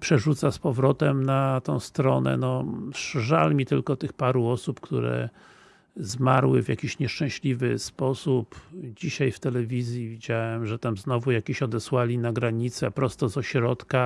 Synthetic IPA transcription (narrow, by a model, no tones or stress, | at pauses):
pʂɛʐut̪saspɔvɾɔt̪ɛmnat̪ɔ̃w̃st̪ɾɔnɛ̰nɔʂʐa̰lmʲit̪ɘlkɔt̪ɘxpaɾuɔsupkt̪ṵɾɛ̰ | zmaɾwɘ̰vʲja̰kʲiɕɲɛʂt͡ʂɛ̃w̃ɕlʲivɘspɔsupd͡ʑiɕajft̪ɛlɛvʲizʲjivʲid͡ʑawɛmʐɛt̪amznɔvujakʲeɕɔd̪ɛswalʲinaɡɾaɲit̪sɛpɾɔst̪ɔzɔɕɾɔt̪ka